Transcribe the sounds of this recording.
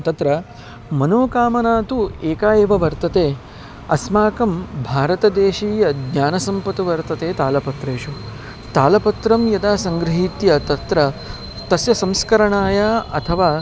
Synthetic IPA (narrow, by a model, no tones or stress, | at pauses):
t̪ɐt̪ɾɐ | mɐnoːkaːmɐnaːt̪ueːkaːjeːʋɐʋɐɾt̪ɐt̪eː | ɐsmaːkɐmbʱaːɾɐt̪ɐd̪eːʃiːjɐd̪ɲaːnɐsɐmpɐt̪uʋɐɾt̪ɐt̪eːt̪aːlɐpɐt̪ɾeːʃu | t̪aːlɐpɐt̪ɾɐmjɐd̪aːsɐŋɡɾɐɦiːt̪jɐt̪ɐt̪ɾɐ | t̪ɐsjɐsɐ̃mskɐɾɐɳaːjaːɐ̰t̪ʰɐʋaː